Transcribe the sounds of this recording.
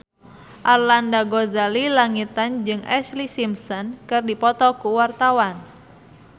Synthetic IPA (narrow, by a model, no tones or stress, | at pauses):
ʔarlandaɡɔzalilaŋit̪and͡ʒɨŋʔɛslisimsɔnkɨrdipɔt̪ɔkuwart̪awan